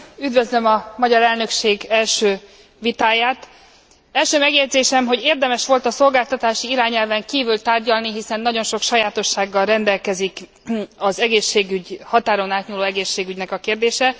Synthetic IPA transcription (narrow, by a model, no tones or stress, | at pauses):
yd̪vø̞zlømɒmɒɟɒɾɛlnø̞kʃeːɡɛlʃøː | vit̪aːjaːt̪ | ɛlʃøːmɛɡjɛɟd̪zeːʃɛmɦo̞ɟeːrd̪ɛmɛʃʋo̞lt̪ɒso̞lɡaːlt̪ɒt̪aːʃiiɾaːɲɛlvɛŋkiːvylt̪aːrɟɒlniɦisɛnːɒɟo̞nʃo̞kʃɒjaːt̪o̞ʃːaːɡːɒlrɛnd̪ɛlkɛzik | ɒzɛɡeːʃːeːɡyɟhɒt̪aːɾo̞naːt̪ɲuːloːɛɡeːʃːeːɡyɟnɛkɒkeːrd̪eːʃɛ